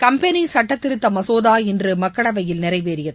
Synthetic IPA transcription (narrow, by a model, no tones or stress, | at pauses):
kɐmpɛnisɐʈːɐt̪ːɪɾɯt̪ːɐmɐsoːðaːɪndrɯmɐkːɐɽɐʋɐjɪlnɪɾɐɪʋeːɾɪjɐðɯ